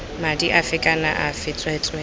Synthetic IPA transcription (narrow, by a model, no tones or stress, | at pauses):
madiʔafɪkʼanaʔafɪtʼrɛtʼɛ